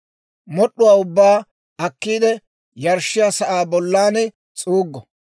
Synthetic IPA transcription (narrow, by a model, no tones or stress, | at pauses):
mɔɗːʊwaːʊbːaː | ɐkːiːd̪ɛ | jɐɾʃɪjaːsɐʔaːbɔlːaːnɛ | t͡sʼuːɡːɔ